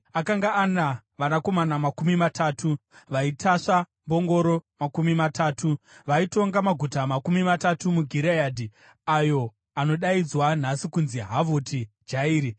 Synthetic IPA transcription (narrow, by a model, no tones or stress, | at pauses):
akaŋɡaːna | ʋanako̞manamakumimatʰaːtʰuʋaitaʂa | mbo̞ŋɡo̞ɾo̞makumimataːtʰuʋaito̞ŋɡamaɡʱutamakumimatatumuɡʱiɾejaːdʱi | ajo̞ | ano̞ɗaid͡zwan̤asikunziɦavotʰi | d͡ʒaiːɾi